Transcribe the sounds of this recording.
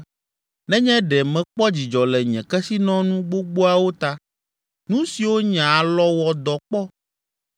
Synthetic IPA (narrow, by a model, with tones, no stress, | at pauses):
nɛ̃˦ɲɛ̃˦ɖɛ˨mɛ̃˨k͡pɔ˦d͡ʑi˨d͡ʒɔ˨lɛ˨ɲɛ̃˨kɛ˦si˦nɔ̃˦nũ˦ɡ͡bo˦ɡ͡bo˦a˨wo˦t̪a˦ | nũ˦si˨wo˦ɲã˨lɔ˦wɔ˨d̪ɔ˨k͡pɔ˦